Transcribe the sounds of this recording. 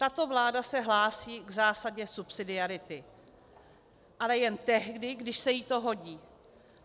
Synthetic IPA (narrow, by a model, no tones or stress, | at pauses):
t̪at̪o̞vlaːdasɛɦlaːsiːɡzaːsaɟɛsupsɪdɪaɾɪt̪ɪ | ʔalɛjɛnt̪ɛɦdɪɡdɪʃsɛjit̪o̞ɦo̞ɟiː